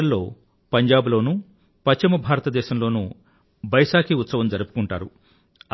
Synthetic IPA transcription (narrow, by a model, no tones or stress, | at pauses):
ɐlːo̞ː | pɐɲd͡ʒaːbulo̞ːnu | pɐt͡ʃimɐbʱaːɾɐt̪ɐd̪ɛːʃɐmlo̞ːnṵ | bɐjʂaːkʰiːut̪sɐʋɐmd͡ʒɐɾupu̥kuɳʈaːɾu